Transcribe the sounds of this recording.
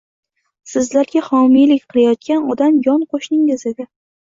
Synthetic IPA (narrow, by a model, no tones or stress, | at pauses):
sɪzlaɾɡʲahɒmijlɪkʲqʰɨlˠajɒt̪̚kʲanɒd̪amjɒnqʰoʃnɪŋɪze̞d̪ɪ